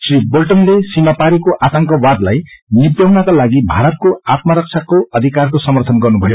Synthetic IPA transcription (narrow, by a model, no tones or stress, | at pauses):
sribolʈʌnlesimapaɾikoʔat̪ʌŋkʌwad̪lajnibjawnakalaɡibʱaɾʌt̪̚koat̪mʌɾʌk̚t͡ʃʰakoʌd̪ʱikarkosʌmʌrt̪ʰʌnɡʌrnubʱʌjo